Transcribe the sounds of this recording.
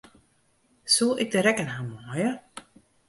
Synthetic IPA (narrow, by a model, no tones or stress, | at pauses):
sulˠʔɪk̚dəɾɛkənhaːmɔjə